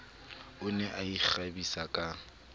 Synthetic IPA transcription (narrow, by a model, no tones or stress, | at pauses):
ʊnɛʔaik͡xabisakʼa